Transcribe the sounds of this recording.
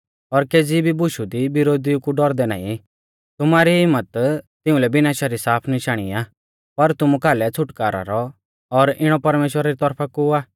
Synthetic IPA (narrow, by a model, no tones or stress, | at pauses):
ɔɾkeːd͡zibʱibʊʃud̪ibɪɾoːd̪iukuɖɔɾd̪ɛna̰ːḭ̃ | t̪ʊmaːɾiɦɪmːət̪t̪ɪ̃ʊ̃lɛbɪnaːʃaɾisaːpʰnɪʃaːɽ̃ḭaː | pɐɾt̪ʊmukaːlɛt͡sʰʊʈkaːɾa̰ɾɔ | ɔɾɪɽ̃ɔpɐɾmeːʃwəɾaɾit̪ɔɾpʰakuaː